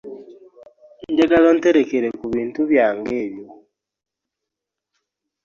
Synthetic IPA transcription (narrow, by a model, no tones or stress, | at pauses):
ɲɟeɡazon̩teɾekeɾekuβiːntuβjaːŋɡe̞ːβjo